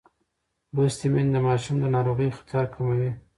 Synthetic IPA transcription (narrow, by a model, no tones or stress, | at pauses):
bʊst̪imend̪əmɑʃumd̪ənɑɾoɣəjxt̪ijɑɾkʰamawi